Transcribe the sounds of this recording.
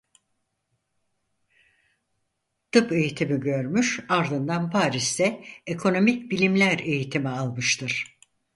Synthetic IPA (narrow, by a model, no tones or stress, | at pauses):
t̪ɯpe̞jit̪ʰimiɟø̞ɾmyʃaɾd̪ɯnd̪anpʰaːɾisd̪ɛekʰo̞no̞micbilʲimlʲæɾe̞jit̪ʰimialˠmɯʃt̪ʰɯɾ̥